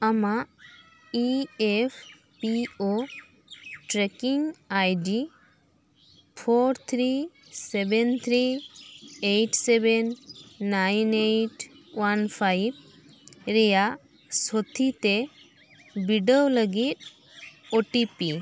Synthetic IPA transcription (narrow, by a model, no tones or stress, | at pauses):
amaʔ | iɛpʰ | pio | ʈɾɛkiŋajɖi | pʰoɾt̪ʰɾi | sɛbɛnt̪ʰɾi | ejʈsɛbɛnːajneʈ | wanpʰajb̚ | ɾɛjaʔ | sɔt̪ʰit̪e | biɖəwləɡit̪̚ | oʈipi